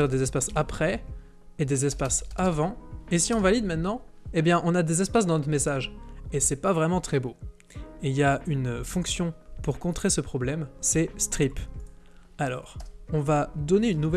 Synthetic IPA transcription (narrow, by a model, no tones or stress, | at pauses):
ʁd̪ezɛspasapχɛ | ed̪ezɛspasavɑ̃esiɔ̃valid̪mɛ̃t̪nɑ̃ebjɛ̃ʔɔ̃nad̪ezɛspasd̪ɑ̃nɔt̪χmesaʒesɛpavʁɛmɑ̃t̪χɛbo | eljaynfɔ̃ksjɔ̃puʁkɔ̃t̪χesəpχɔblɛmsɛst̪χip | alɔːʁɔ̃vad̪ɔneynːuvɛ